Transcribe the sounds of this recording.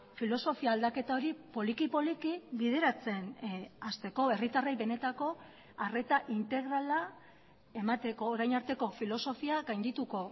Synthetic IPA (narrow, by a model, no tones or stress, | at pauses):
filo̞so̞fiaːld̪ake̞t̪ao̞ɾipo̞likipo̞likiβið̞e̞ɾat͡se̞nast̪e̞ko̞e̞rit̪arejβe̞ne̞t̪ako̞ | are̞t̪aʔint̪e̞ɣɾala | e̞mat̪e̞ko̞ːɾajnaɾt̪e̞ko̞filo̞so̞fiaɡajnd̪it̪uko̞